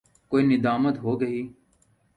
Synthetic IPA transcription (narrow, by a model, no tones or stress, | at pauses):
koːiːnɪd̪aːmət̪ɦoːɡəiː